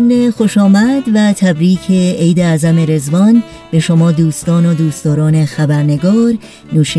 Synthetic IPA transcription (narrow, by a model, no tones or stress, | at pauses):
mnexo̞ʃɒːmæd̪væt̪ʰæbɾiːcʰeejd̪eæzæme̞ɾe̞zvɒːn | b̥e̞ʃomɒːd̪uːst̪ɒːnod̪uːst̪ɒːɾɒːnexæbæɾne̞ɡɒːɾ | nuːʃiː